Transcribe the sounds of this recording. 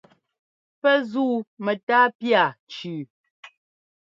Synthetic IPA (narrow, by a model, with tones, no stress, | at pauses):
pɛ˦zuː˦˨mɛ˨taː˦pja˨t͡ʃʉː˨